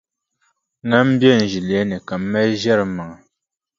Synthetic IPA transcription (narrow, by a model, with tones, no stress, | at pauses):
ŋa˦m˦bjɛ˦˨n̩˨ʒi˨ljɛ˦nɛ˨ka˨mː˦ɛ˦ʒɛ˦ɾɨ˨ma˨ŋa˨